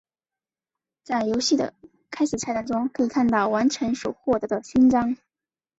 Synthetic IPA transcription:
t͡sa˥˩ɪjo˧˥ʊɕi˥˩d̪ə̰˩ | kʰa˥ɪʂɻ̩˨˩t͡sʰa˥ɪt̪a˥˩ŋnʈ͡ʂʊ˥ŋkʰɤ˧˥i˨˩kʰa˥˧nt̪ɑ˥˩ʊwa˧˥nʈ͡ʂʰə˧˥nʂu˨˩xwɔ˥˩t̪ɤ˧˥d̪ə˧ɕi˥nʈ͡ʂɑ˥ŋ

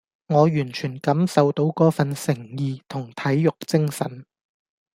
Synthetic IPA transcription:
ŋɔː˨˧jyː˨˩nt͡ʃʰyː˨˩nkɐ˨˥msɐ˨wt̪o˨˥wkɔː˨˥fɐ˨nsɪ˨˩ŋjiː˨˧t̪ʰʊ˨˩ŋt̪ʰɐ˨˥jːʊ˨k̚t͡sɪ˥ŋsɐ˨˥n

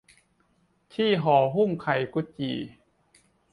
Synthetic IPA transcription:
t̪ʰiː˥˩˨ɦɔː˩˦ɦu˥˩˨ŋkʰa˨˩jku˧˦t͡ɕḭː˨˩

